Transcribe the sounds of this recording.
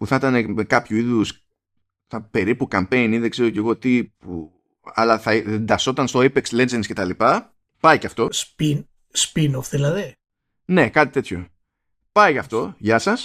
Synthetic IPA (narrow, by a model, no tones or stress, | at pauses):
puθɐt̪ɐne̞mekɐpçuiðus | θɐpe̞ɾipukɐmpe̞jniðeɡze̞ɾo̞ce̞ɣo̞t̪ipu | ɐ̰lɐθɐend̪ɐso̞t̪ɐnst̪o̞ipekslend͡zensce̞t̪ɐlipɐ | pɐicɐft̪o̞spin | spinofðilɐði | ne̞kɐt̪i̥t̪e̞t̪ço̞ | pɐiɐft̪o̞ʝɐsɐs